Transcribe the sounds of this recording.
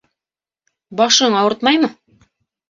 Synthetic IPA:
bɑʃɤɴɑwɤɾt̪mɑjmɤ

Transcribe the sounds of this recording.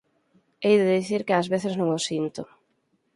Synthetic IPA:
ejðɪðiθiɾkɪazβeθɪznõŋosint̪ʊ

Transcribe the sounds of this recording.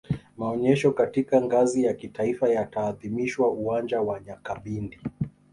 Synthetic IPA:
maɔɲɛʃɔkatikaŋɡazijakitaifajataːðimiʃwauwand͡ʒawaɲakaɓindi

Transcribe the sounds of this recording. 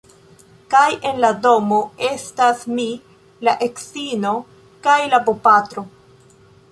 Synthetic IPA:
kaje̞nlado̞mo̞e̞stasmi | laʔe̞ksino̞ | kajlabopatɾo̞

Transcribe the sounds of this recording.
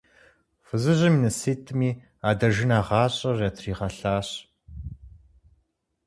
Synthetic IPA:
fɨzɨʑɪminɐsiːtʰɨmiː | aːdɐʒɪnaːʁɑːɕʼɐrɐtʰriːʁɐɬaːɕʼ

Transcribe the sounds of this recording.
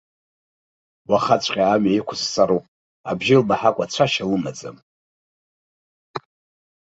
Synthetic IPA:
waχat͡ɕʷʼqʲʼaːmɥaikʷʰʊst͡sʼaɾopʼ | a̰bʒɪlmaħakʷʼat͡ɕʷʰaʃalɨmad͡za̰m

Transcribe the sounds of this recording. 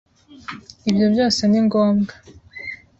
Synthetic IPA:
ibjo̞bjo̞ːse̞niŋɡoːmɡa

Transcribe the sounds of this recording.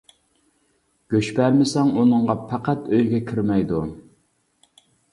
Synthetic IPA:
ɡ̥ʲøt͡ʃpæɾmɪsɛŋunɨŋʁɑpʰæqæt̪øjɡʲɛkʲʰiɾmɛjd̪u

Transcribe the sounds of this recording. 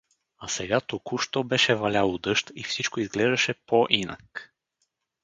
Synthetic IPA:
asɛɡat̪okuʃt̪obɛʃɛvɐlʲalˠod̪ɤʃt̪ifsit͡ʃkoizɡlɛʒd̪ɐʃɛpoʔinɐ̰k

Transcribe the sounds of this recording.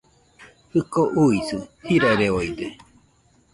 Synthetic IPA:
hɯkoʔuisɯhiɾaiɾeoid̪e

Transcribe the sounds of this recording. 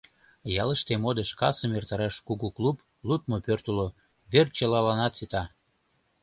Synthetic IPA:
jɑləʃt̪emod̪eʃkɑsəmert̪ɑɾɑʃkuɣuklup | lut̪̚mopørt̪ulo | βert͡ɕəlɑlɑnɑt̪sit̪ɑ

